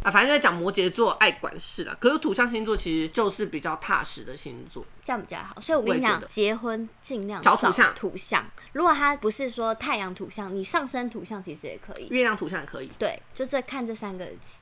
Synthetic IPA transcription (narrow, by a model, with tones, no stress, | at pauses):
fa˨˩nə˥˧˥t͡ɕjɑ˨˩ŋmwɔ˧˥t͡ɕjɛ˧˥t͡swɔ˥˧ʔa˥˩ɪkwa̰˨˩nʂɻ̩˥˩lə̰˨kʰɤ˧˥˧t̪ʰu˨˩ɕjɑ˥˧ŋɕ̬i˥nt͡swɔ˥˩t͡ɕʰi˧˥ʂɻ̩˧˦t͡ɕjo˥˧ʊʂɻ̩˥˩pi˨˩t͡ɕjɑ˥˧ʊt̪ʰa̰˥˩ʂɻ̩˧˥d̪ə˨ɕḭ˦˥nt͡swɔ̰˥˩t͡ɕjɑ˥˩ʊpi˨t͡ɕɑ̰˥˩ʊxswɔ˧˥i˨wɔ˨˥˧ɕjɑ̰˨ŋ˩d̪ə˧t͡ɕjɛ˧˥xwə˦nt͡ɕi˥˧ŋljɑ˥˨ŋʈ͡ʂɑ˨˦ʊu˥˨˥ɕjɑ̰˥˨ŋt̪ʰu˨˧˥ɕjɑ̰˥˩ŋɻu˧˥ɡwɔ˨˩t̪ʰa˦˥pu˧˥ʂɻ̩˥˩ʂwɔ˥t̪ʰa˥˩ɪjɑ˧˥ŋt̪ʰu˨˧˥ɕjɑ˥˩ŋni˨˩ʂɑ˥˩ŋʂə˦nt̪ʰu˧˥ɕjɑ˥˩ŋt͡ɕʰi˧˥ʂɻ̩˧˥jɛ̰˨˩kʰɤ̰˧˩˦ḭ˨˩ɥɛ˥˧ljɑ˥˩ŋt̪ʰu˧˥ɕjɑ˥˩ŋ˨˩kʰɤ̰˧˦ḭ˨˩˦t̪we˥˩ɪt͡ɕjo˥˧ʊ˥t͡sə˥˧˩kʰa˥˧nʈ͡ʂə˥˩sa˥nɡə̰˨˩